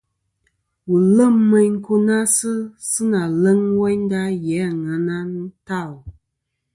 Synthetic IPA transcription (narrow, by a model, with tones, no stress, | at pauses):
wu˨lə˦mːə˦ɲŋ̩˦ko˦na˦sɨ˦sɨ˦na˨lə˦ŋwɛ˦n˦da˦jɛ˨˦˨ŋa˨na˦n̩˦ta˦˨l